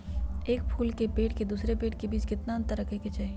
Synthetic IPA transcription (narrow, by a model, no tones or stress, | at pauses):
eːk̚pʰuːlkepeːʈked̪uːsɾepeːʈkebiːt͡ʃkɪt̪naɐ̃nt̪əɾɐkʰeket͡ʃaːɦie